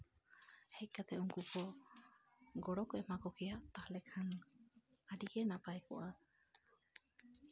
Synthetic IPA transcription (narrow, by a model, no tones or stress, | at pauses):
hejkat̪euŋkuko | ɡoɽokoʔemakokiat̪alekʰaŋ | aɾiɡenapajko̰ʔa